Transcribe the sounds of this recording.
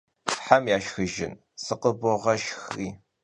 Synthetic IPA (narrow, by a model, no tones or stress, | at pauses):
ħamjaːʃxɨʒɪ̰n | sɨqəbɔʁɐʃxiː